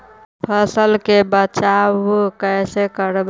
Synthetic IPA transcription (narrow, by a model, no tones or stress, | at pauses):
pʰəsəlkebət͡ʃawkəɪsekəɾb